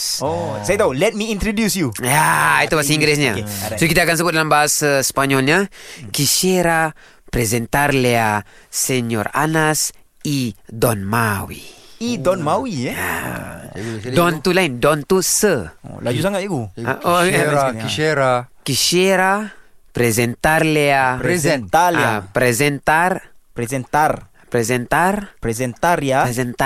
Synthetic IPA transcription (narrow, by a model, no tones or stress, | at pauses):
osajat̪aulɛt̪̚miint̪ɾodjusjujait̪ubaasaiŋɡɾɛs̬ɲasoikit̪akans̬əbʊt̪̚dalambaɦasaspaɲɔlɲakiʃeɾa | pɾezɛnt̪arlea | seɲɔ̰ra̰nas | idɔnmawḭid̪ɔnmawia̰ | d̪ɔnt̪ulaind̪ɔnt̪usə̰lad͡ʒusaŋaeɡua̰okiʃeɾakiʃeɾapɾezent̪aɾleaɾzɛnt̪alapɾezent̪aɾpɾezent̪ar | pɾezent̪arpɾezent̪aɾjaezent̪a